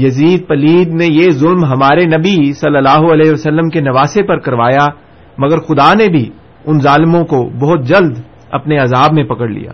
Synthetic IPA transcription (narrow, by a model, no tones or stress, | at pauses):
jɐziːd̪̚pɐliːd̪nejezʊlmɦɐmaːɾenɐbisɐlːəlaːɦoɐleːɦɐsɐlːəmkenɐʋaːsepɐɾkɐɾʋaːja | mɐɡəɾxʊd̪anebʱi | ʊnzaːlɪmõkobɔɦʊt̪̚d͡ʒɐld̪ | ɐ̰pneɐzaːbmẽpɐkəɽlḭja̰ː